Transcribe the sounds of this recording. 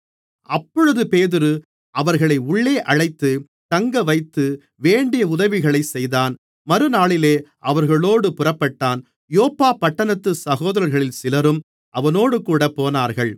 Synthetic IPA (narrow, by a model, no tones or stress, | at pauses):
ɐpːɔɻɯðɯpeːðɪɾɯ | ʔɐʋɐɾɣɐɭɐɪʊɭːeːʔɐɻɐɪt̪ːɯ | t̪ɐŋɡɐʋɐɪt̪ːɯ | ʋeːɳɖɪjɐʊðɐʋɪɣɐɭɐɪsɛjðaːn | mɐɾɯnaːɭɪleːʔɐʋɐɾɣɐɭoːɽɯpʊrɐpːɐʈːaːn | joːpːaːpːɐʈːɐnɐt̪ːɯsɐɣoːðɐɾɐɾɣɐɭɪlsɪlɐɾɯm | ʔɐʋɐnoːɽɯkuːɽɐpoːnaːɾɣɐɭ